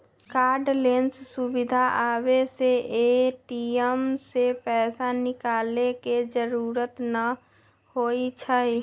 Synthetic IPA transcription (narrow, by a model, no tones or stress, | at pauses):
kaːɾɖlenssubid̪ʱaʔabeseeʈiəmsepɛːsanɪkaːleked͡ʒəɾuːɾət̪nə | hoit͡ʃʰəj